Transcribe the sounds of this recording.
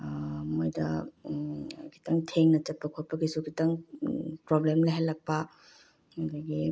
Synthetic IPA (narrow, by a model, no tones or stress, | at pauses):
mojdɐ | kʰi̥tɐŋtʰeŋnɐt͡ʃɐt̚pːɐkʰot̚pɐɡisukitɐŋpɾoblemlaɦelːɐk̚pɐ | hɐdɐɡi